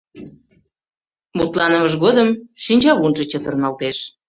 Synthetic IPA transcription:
mut̪lɑnəməʒɣod̪əmʃinʲt͡ɕɑβunʒə̆t͡ɕət̪ərnɑlt̪eʃ

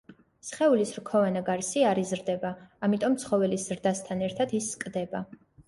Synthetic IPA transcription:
sχɛulisɾkʰɔvanaɡaɾsiaɾizɾd̪ɛbaːmit̪ʼɔmt̪sʰχɔvɛlisz̥ɾd̪ast̪ʰanɛɾt̪ʰad̪isːkʼd̪ɛba

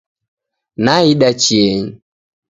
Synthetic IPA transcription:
naiɗat͡ʃieɲi

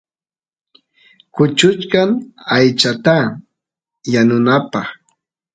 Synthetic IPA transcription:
kʊt͡ʃʊt͡ʃkaŋajt͡ʃat̪a | janʊnapɑχ

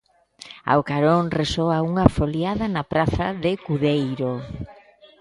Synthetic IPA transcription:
a̰wkaɾoŋresoauŋɐfoljaðɐnɐpɾaθaðɪkuðejɾo

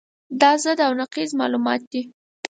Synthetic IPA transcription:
d̪ɑzəd̪awnaqizmɑ̰lumɑ̰t̪̚d̪i

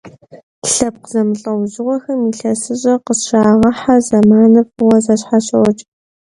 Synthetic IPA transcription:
ɬɐp̚qəzɐmɨɬʼɐwʑɪʁʷɔxɐmiɬɐsɨɕʼɐqəsʃaːʁɐħazɐmaːnɨpwɐzɐɕħaɕʼɐwɔt͡ʃʼ

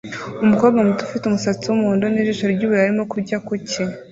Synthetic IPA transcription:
umuko̞ːɾbɡamutufitumusat͡siwumuhoːndoniʒiʃaɾɟuːβuɾaɾimo̞kuɾɟakuci

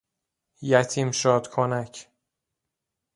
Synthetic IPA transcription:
jæt̪ʰiːmʃɒːd̪kʰonæcʰ

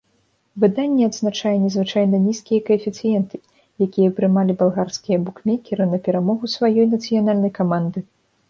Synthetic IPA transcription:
vɨd̪anʲːɛad̪znat͡ʂajɛnʲɛzvɨt͡ʂajnɐnʲiskʲijɐkɐfʲit̪sɨjɛnt̪ɨ̥ | jakʲijɐpɾɨmalʲibalˠɣarskʲijɐbukmʲɛkʲiɾɨnɐpʲɛɾamɔɣusvajɔjnɐt̪sɨjan̪alʲnɐjkamand̪ɨ

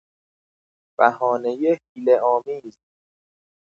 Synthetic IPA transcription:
b̥æhɒːnejehiːleʔɒːmiːz

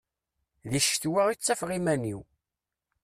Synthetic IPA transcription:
ðiʃt̪wæit͡sːæfʁimæniw

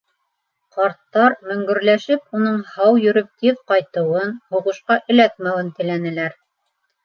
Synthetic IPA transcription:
qɑɾt̪ːɑɾmɵ̆ŋɡɵ̆ɾlæʃɘp̚unɤɴhɑwjɵ̆ɾɵp̚t̪iðqɑjt̪ɤ̆wɤnhuʁɤ̆ʃqɑʔɘ̆læt̪̚mæwɘnt̪ɘ̆lænɘ̆læɾ

